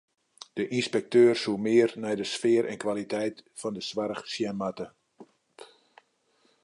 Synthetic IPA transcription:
d̥əʔinspɛk̚tøːrsumɪərnɛjdəsfɪːɾʔɛ̰nkʋalitʰɛjtfɔndəsʋaɾəχsjɛnmatə

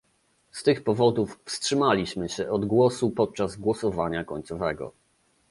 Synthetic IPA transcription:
st̪ɘxpɔvɔd̪uffstʂɘmalʲiɕmɘɕɛʔɔd̪ɡwɔsupɔt̪̚t͡ʂazɡwɔsɔvaɲakɔɲt̪sɔvɛɡɔ̰

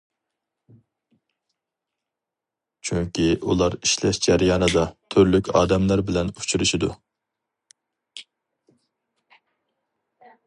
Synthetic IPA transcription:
t͡ʃʰyŋkʲiʔulˠɑɾiʃlɛʃd͡ʒɛɾjɑːnɨd̪ɑt̪ʰøɾlykʲʰɑ̰ːd̪ɛmlæɾbɪlɛnut͡ʃʰuɾuʃid̪u

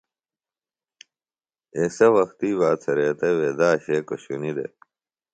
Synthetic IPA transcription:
esɐwɐxt̪iːβaːt͡sʰɐɾeːt̪eweːd̪aːɕeːkoɕunid̪ḛ

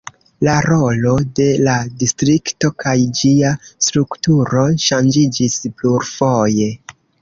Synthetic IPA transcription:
laɾo̞lo̞de̞ladistɾikto̞kajd͡ʒiastɾuktuɾo̞ʃand͡ʒid͡ʒispluɾfo̞je̞

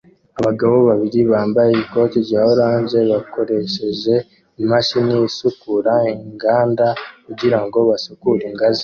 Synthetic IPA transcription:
aβaɡaβo̞βaβiɾiβaːmbajeiko̞ːtiɾɟaːoɾaːnɟe̞βako̞ɾe̞ʃe̞ʒe̞ | imaʃinisukuɾaeŋɡaːndakuɟiɾaŋɡo̞βasukuɾiŋɡazi̥

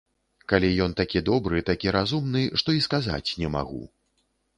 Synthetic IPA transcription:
kalʲijɔnt̪akʲid̪ɔbɾɨt̪akʲiɾazumnɨʂt̪ɔiskaza̰t͡sʲnʲɛma̰ɣṵ

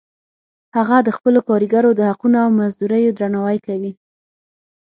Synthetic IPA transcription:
haɣad̪əxpəlokɑɾiɡaɾod̪əhaqunoawmazd̪uɾəjod̪ɾanawajkawi

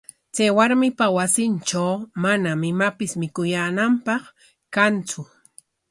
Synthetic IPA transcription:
t͡sajwaɾmɪpawasɪnʈ͡ʂawmanamɪmapɪsmɪkʊjaːnampɑχ | kant͡sʊ

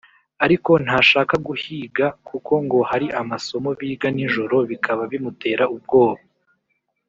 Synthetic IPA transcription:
aɾiko̞n̥haːʃaːkaɡuhiːɡakuko̞ŋɡo̞haɾiʔamaso̞mo̞βiːɡaniʒoɾoβikʰaβaβimute̞ːɾaub̚ɡo̞ːβa

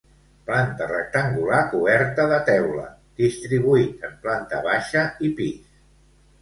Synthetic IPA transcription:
plant̪ərək̚t̪əŋɡulakuβɛɾt̪əðət̪ɛwlə̰ | d̪̥ist̪ɾiβuit̪əmplant̪ə̰βaʃəipis

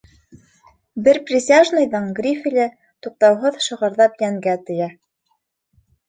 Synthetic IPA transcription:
bɘɾprʲɪsʲaʒnɤ̆jðɤɴɡrʲifʲilʲɘ | t̪uq̚t̪ɑwɦɤðʃŏʁɤ̆ɾðɑpjæŋɡæt̪ɘ̆jæ

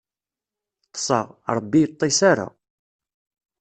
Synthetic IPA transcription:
t̪ːə̥sˤə̰ʁɾˤəbːijt̪ˤːisaɾa̰

